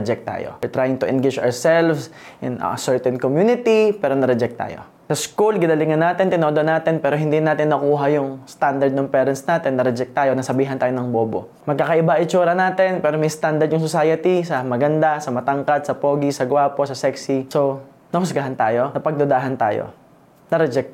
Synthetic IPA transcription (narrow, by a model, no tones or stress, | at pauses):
d͡ʒɛk̚t̪a̰ːjo̰ɛɹt̪ɾaːjɪŋt̪ʊʔɛnɡɪd͡ʒaɹsɛlfsʔɪnɐ̰sɛɹt̪ɛnkomjuːnɪt̪ipɛːɾonɐɾɛd͡ʒɛk̚t̪a̰ːjo̞̰ | sɐskulɡɪd̪ɐlɪŋɐnːaːt̪ɛnt̪ɪnoːd̪oʔnaːt̪ɛnpɛːɾoɦɪnd̪inaːt̪ɪnːɐkuːɦɐjʊŋst̪and̪ɐɹd̪̚nʊŋpɛːɾɐnsnaːt̪ɛnːɐɾɛd͡ʒɛk̚t̪aːjo̞nɐsɐbiːɦɐnt̪aːjonɐŋboːbo̰ | mɐɡ̚kaːkɐʔɪbaʔɪt͡ʃuːɾɐnaːt̪ɛnpɛːɾomɐjst̪and̪ɐɹd̪jʊŋsosaːjɐt̪isɐmɐɡɐnd̪asɐmɐt̪ɐŋkɐt̪̚sɐpoːɡisɐɡwaːpo̞sɐsɛksiso | nɐhʊsɡɐɦant̪aːjo̞nɐpɐɡ̚d̪od̪aːɦɐnt̪a̰ːjo̰ | nɐɾɛd͡ʒɛk̚t̪